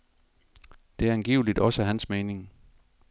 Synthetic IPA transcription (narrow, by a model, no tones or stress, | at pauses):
d̥e̝æɐænɡ̥iːʊlid̥ɒ̽səɦænsmeːne̝ŋ